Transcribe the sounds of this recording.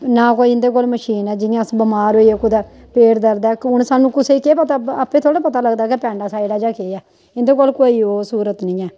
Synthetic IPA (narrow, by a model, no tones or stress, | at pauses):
nãːkoːiːɪnd̪eːk̬oːlməʃiːnɛːd͡ʒɪjãːsbəmaːɾoːiɛːkud̪aː | peːɾd̪əɾd̪aːkʊnsaːnũːkʊseːikeːpət̪aːapẽːt̪ʰoːɽaːpət̪aːləɡd̪aːkepɛ̃ːɳɖaːsaːiɽaːd͡ʒaːkeːɛː | ɪnd̪eːk̬oːlkoːiːoːsuːɾət̪nĩːɛː